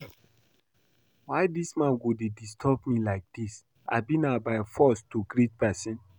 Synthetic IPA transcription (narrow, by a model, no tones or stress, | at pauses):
waɪdismãnɡodedistʰɔbmilaɪk̚d̥is | a̰bĩnabaɪfɔstuɡɾit̚pɛsĩn